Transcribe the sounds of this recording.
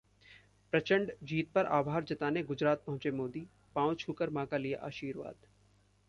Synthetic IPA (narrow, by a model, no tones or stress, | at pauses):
pɾɐt͡ʃə̃ɳɖd͡ʒiːt̪̚pɐɾʔa̰ːbʱaːɾd͡ʒɐt̪aːneɡʊd͡ʒɾaːt̪̚pɐɦʊ̃t͡ʃemoːd̪i | pãːw̃t͡ʃʰuːkəɾmãːkalija̰ʔaːʃiːɾʋa̰ːd̪